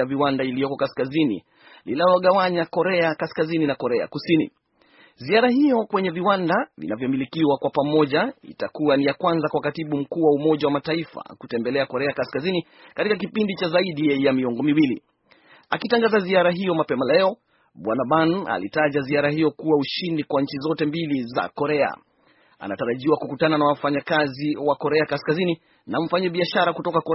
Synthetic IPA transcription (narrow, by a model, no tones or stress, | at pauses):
aviwandailijɔkɔkaskazinḭ | lilalɔɠawaɲakɔɾɛakaskazininakɔɾɛa̰kusinḭ | ziaɾahijɔkwɛɲɛviwandavḭnavjɔmilikiwakwapamɔʄaḭtakuanijakwanzakwakatiɓum̩kuːwaumɔʄawamataifa̰kutɛmbɛlɛakɔɾɛakaskazini | katikakipindit͡ʃazaiɗiɛjamiɔŋɡɔmiwili | akitaŋɡazaziaɾaɦijɔmapɛmalɛɔ | ɓwanaɓana̰lḭtaʄaziaɾahijɔkuwauʃindikwaɲ̩t͡ʃizɔtɛmbiliza̰kɔɾɛa̰ | a̰na̰taɾaʄiwakukutananawafaɲakaziwakɔɾɛakaskazini | naɱ̩faɲaɓiaʃaɾakutɔkakɔɾ